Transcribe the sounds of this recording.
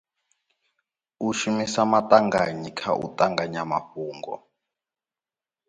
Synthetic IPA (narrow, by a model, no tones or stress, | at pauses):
uʃumisamatʼaŋɡaɲikʰa̰ʔṵtʼaŋɡaɲama̰ɸuːŋɡɔ̰